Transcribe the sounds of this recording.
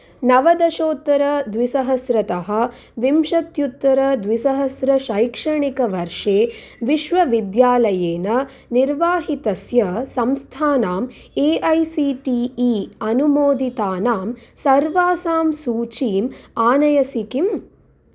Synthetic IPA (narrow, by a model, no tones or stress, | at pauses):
nɐʋɐd̪ɐʃoːt̪ːɐɾɐd̪ʋisɐɦɐsɾɐt̪ɐɦɐ̆ | ʋimʂɐt̪jut̪ːɐɾɐd̪ʋisɐɦɐsɾɐʃɐjkʂɐɳikɐʋɐɾʂeːʋiʃʋɐʋid̪jaːlɐjeːnɐ | niɾʋaːɦit̪ɐsjɐsɐmst̪ʰaːnaːm | eːʔɐjsiʈiːiɐnumoːd̪it̪aːnaːmsɐɾʋaːsaːmsuːt͡ʃiːmaːnɐjɐsikim